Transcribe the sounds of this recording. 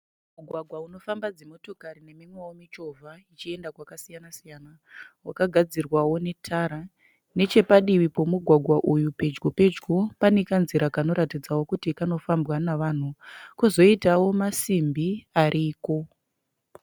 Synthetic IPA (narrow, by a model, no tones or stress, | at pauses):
muɡʱwaɡʱwauno̞fambad͡zemo̞to̞kaɾine̞mimwewomit͡ʃo̞vʱait͡ʃie̞ndakwakasijanasijana | wakaɡʱad͡zirwawo̞ne̞tʰaɾa | ne̞t͡ʃe̞paɗiʋipo̞muɡʱwaɡʱwaʔujupe̞d͡ʒɡope̞d͡ʒɡo̞panekanziɾakano̞ɾatid͡zawo̞kutikano̞fambwanaʋaːn̤ukuzo̞itawo̞masimbiaɾʔiːko̞